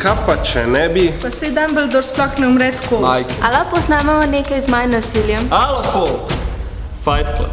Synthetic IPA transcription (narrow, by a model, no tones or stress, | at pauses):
kapːat͡ʃɛnɛbipɐsɛjd̪ambəld̪ɔɾsplɔxnɛʊmɾɛt̪koajkalapɔznamamɐneːkajzmajnːasiljɛmaloko | fajt̪kla̰